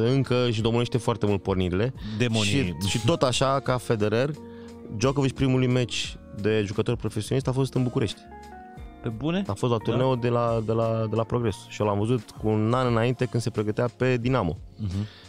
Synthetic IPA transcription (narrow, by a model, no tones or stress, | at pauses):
ɨŋkəɨʃ̬d̪o̞moneʃt̪e̞foart̪emult̪̚po̞rniɾile̞d̪emoʃiʃit̪o̞t̪aʃakafe̞d̪e̞ɾer | d͡ʒokovit͡ʃpɾimulujmet͡ʃʲd̪e̞ʒukət̪o̞rpɾo̞fesionist̪afo̞s̬t̪ɨnbukuɾʔe̞ʃt̪ʲ | pebuneafost̪lat̪uɾne̞od̪e̞lad̪e̞lad̪e̞lapɾo̞ɡɾe̞sʃio̞lamvəzut̪kuːnanɨnaint̪e̞kɨnd̪se̞pɾe̞ɡət̪eape̞d̪inamo̞̰